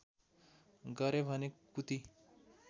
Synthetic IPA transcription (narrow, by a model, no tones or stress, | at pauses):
ɡʌɾebʱʌnekut̪i